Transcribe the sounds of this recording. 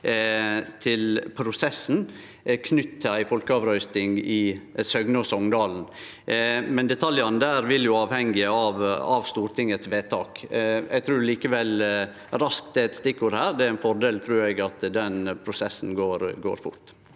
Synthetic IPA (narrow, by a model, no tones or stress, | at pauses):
t̪ʰɪlpʰɾʊsɛsn̩ | kʰnʏt̪ːʰəæɪfɔlkəɑːʋɾœʏst̪ɪŋɪsœɡnɔsɔŋd̪ɑːln̩ | mɛnd̪ɛt̪ʰɑljɑnd̪æːɾʋɪljʊɑːʋhɛŋɪəɑʋɑʋst̪uːɾt̪ʰɪŋːət̪sʋeːt̪ʰɑːkɛ̰ɡ̚t̪ʰɾʉːɾliːkəʋɛl | ɾɑsk̚t̪d̪ɛɛt̪st̪ɪkːʊɾhæːɾd̪ɛæɾæɪnfɔɾɖ̪eːlt̪ʰɾʉːɾɛɡɑt̪d̪ɛnpʰɾʊsɛsːn̩ɡoːɾɡo̰ːɾfʊ̰ɾt̪